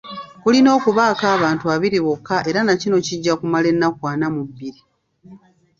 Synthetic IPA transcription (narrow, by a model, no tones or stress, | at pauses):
kulino̞ːkuβaːkaːβaːntuaβiɾiβo̞kːaʔe̞ɾanacino̞ciɟːakumale̞nːakwaːnamubːiɾi